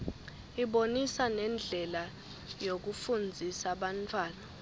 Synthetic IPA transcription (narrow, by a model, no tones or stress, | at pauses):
iɓonisanɛnd͡ɮʱɛla | jok̬ufund͡zʱisaɓantʰwaːna